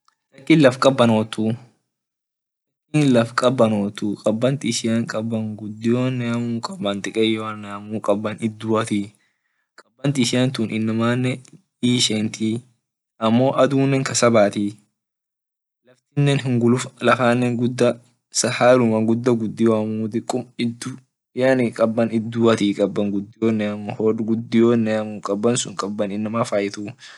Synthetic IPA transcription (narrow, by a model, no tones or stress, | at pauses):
tɐkːɪːnlɐfkʼɐbːɐno̞ːt̪ːu | lɐkːinlɐfkʼɐbːɐnoːt̪uːkʼɐbːɐnt̪ɪʃɪjɐŋkʼɐbːɐŋɡʊd̪ːɪjoːnːɛɐmuːkʼɐbɐnt̪ɪkʼɛjːoɐnːɛɐmuːkʼɐbːɐnɪd̪ːuːɐt̪i | kʼɐbːɐnt̪ɪɪʃɪjɐnt̪unʔɪnːɐmaːnːɛ | iːʃɛnt̪i | ʔɐmːo̞ːʔɐd̪uːnːɛŋkɐsɐbaːt̪iː | lɐft̪ɪnːɛnɦɪŋɡʊlʊflɐfaːnːɛŋɡʊd̪ːɐ | sɐhaːlʊmɐɡʊd̪ːɐɡʊd̪ːɪwaːmuːd̪ɪkʼʊmɪd̪ːu | janɪkʼɐbːɐnɪd̪ːuːɐt̪iːkʼɐbːɐŋɡʊd̪ːɪjoːnːɛɐmhoɡʊd̪ːɪjoːnːɛɐmuːkʼɐbːɐnsʊŋkʼɐbːɐnɪnːɐmaːfɐjɪt̪u